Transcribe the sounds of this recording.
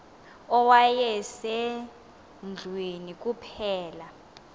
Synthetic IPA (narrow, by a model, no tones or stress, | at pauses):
ɔwajɛsɛ | nd͡ɮʱwenik̬ʼupʰɛːla